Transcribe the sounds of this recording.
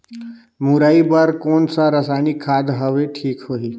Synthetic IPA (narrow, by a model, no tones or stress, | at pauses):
muɾaːibaɾkoːnsaɾəsaːnikʰːaːd̪ɦəʋeʈʰiːkɦoiː